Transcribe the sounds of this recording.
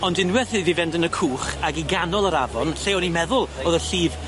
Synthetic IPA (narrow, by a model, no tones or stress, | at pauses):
ɔndɪnwɛθɨvivɛndənəkʰuːχaɡiɡanɔlˠəɾavɔnɬeːɔnimɛðʊlˠɔðəɬiːv